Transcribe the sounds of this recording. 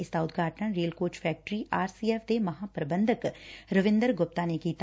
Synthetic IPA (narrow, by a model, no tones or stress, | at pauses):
ɪsd̪aːʊt̪̚ʰɡʱaːʈnəɾeːlkoːt͡ʃpʰɛːk̚ʈɾiʔaːɾsiːeːfd̪emɐɦãːpɾəbənd̪ʱəkɾəʋɪ̃nd̪əɾɡʊp̚t̪anekiːt̪